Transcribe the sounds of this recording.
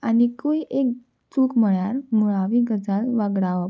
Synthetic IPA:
anikuiʔek | t͡suːkməɭjaɾmuɭaʋiːɡəd͡zalʋaɡɽaʋə

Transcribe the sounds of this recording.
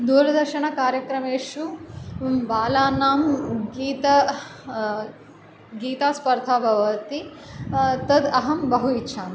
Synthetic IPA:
d̪uːɾɐd̪ɐɾʃɐɳɐkaːɾjɐkɾɐmeːʂu | baːlaːnːaːmɡiːt̪ɐ | ɡiːt̪aːspɐɾt̪ʰaːbʱɐʋɐɐt̪i | t̪ɐd̪ɐɦɐmbɐɦuitːʃʰaːm

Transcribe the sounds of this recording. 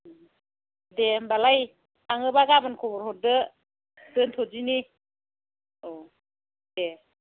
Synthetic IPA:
dembalaj | aŋɯbaɡamankʰɔbɔɾhɔdɯ | dɯntʰɔd͡ʒini | ɔ | de

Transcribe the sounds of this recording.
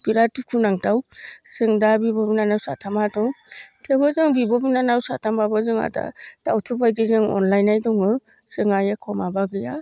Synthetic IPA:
b̥iɾatukʰunaŋtawsɯŋdabibɔbinanawsa̰tʰamadɔtʰebɯzɯŋbibɔbinanawsa̰tʰambabɯzɯŋa̰da̰tawtʰɯbajdizɯŋɔ̰nlajnajdɔŋɯ | sɯŋajekʰɔmabaɡɯja

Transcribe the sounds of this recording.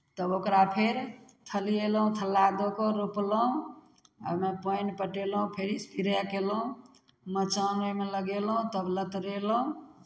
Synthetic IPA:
t̪əbokɾapʰeɾt̪ʰəlielũt̪ʰəlːad̪okɔɾoplɦũ | ə̰bmepəjnpəʈelũpʰeɾispʰiɾakelɦũ | mət͡ʃənemeləɡelɦũt̪əblət̪ɾelɦũ

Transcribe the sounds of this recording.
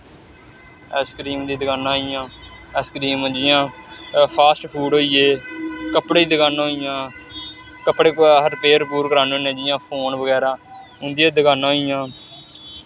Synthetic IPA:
ɛːskɾiːmd̪iːd̪əɡaːnãːijãːɛːskɾiːmd͡ʒɪjãːpʰaːsʈpʰuːɖɦoːiːeːkəpɽeːd̪ɪkaːnaɦoijãː | kəpːɽeːkɦəɾpeːɾpuːɾkəɾaːnõːnẽːd͡ʒɪjãːpʰoːnbəɡɛːɾãː | ʊ̃nd̪ɪijãːd̪əkaːnãːɦoijãː

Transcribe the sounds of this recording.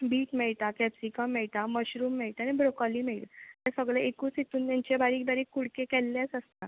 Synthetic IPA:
biːʈmɛɭt̪akɛpsikəmːɛɭt̪aməɕɾuːmːɛɭt̪anibɾokɔliːmeɭt̪at̪ɛsəɡɭeekuːsit̪uːnt̪aɲt͡ɕabaɾiːk̚baɾiːkːuɽkekɛlːjasəst̪a

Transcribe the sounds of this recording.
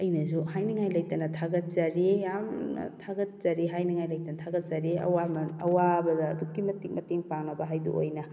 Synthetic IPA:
ɐjnɐzuhajnɐŋajlɐjtɐnɐtʰaɡɐt̚zaɾijamn̰tʰaɡɐt̚zaɾiɦajnɐŋajlɐjtɐnɐtʰaɡɐt̚zaɾiɐ̰wamɐnɐwabɐdɐːdup̚kimɐtiŋmɐteŋpaŋnɐbɐɦajdṵʔo̰jnɐ

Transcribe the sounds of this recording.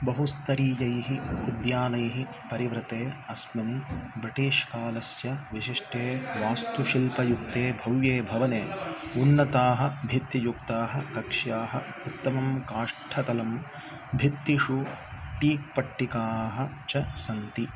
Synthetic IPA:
bɐɦust̪ɐɾiːjɐjɦiud̪jaːnɐjɦi | pɐɾiʋɾɪt̪eːɐsminbɾiʈiːʂkaːlɐsjɐʋiʃiʂʈeːʋaːst̪uʃilpɐjuk̚t̪eːbʱɐwjeːbʱɐʋɐneːunːɐt̪aːɦɐ̆bʱit̪jɐjuk̚t̪aːɦɐ̆kɐkʂjaːɦɐ | ut̪ːɐmɐmkaːʂʈʰɐt̪ɐlɐm | bʱit̪ːiʂuʈiːk̚pɐʈːikaːɦɐ | t͡ʃɐsɐnt̪i

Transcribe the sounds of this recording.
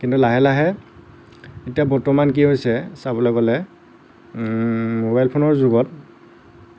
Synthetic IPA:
kintulaɦɛlaɦɛ | etijabɔɹtɔmank̬iɦojsɛsabɔlɛkɔlɛ | mobajlpʰonɔɹzuɡɔt

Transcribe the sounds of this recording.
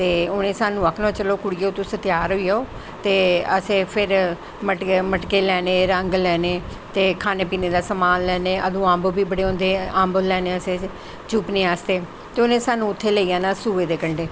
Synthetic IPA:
t̪eːʊnẽːsaːnũːəkʰnõːt͡ʃəloːkʊɽɪjeot̪õːsət̪ɪjaːɾɦoːiːaoː | t̪eːəseːpʰɪɾ | məʈməʈkeːlɛːneːɾəŋɡlɛːneː | t̪eːkʰaːneːpiːneːd̪aːsəmaːnlɛːneːʔə̰d̪ũːãːmbobiːbəɽeːɦõːnd̪eːãːmbolɛːneːəsẽː | t͡ʃuːpneːaːst̪eː | t̪eːʊnẽːsaːnũːʊt̪ʰːeːləiːãːnaːsuːʋeːd̪eːkəɳɖeː

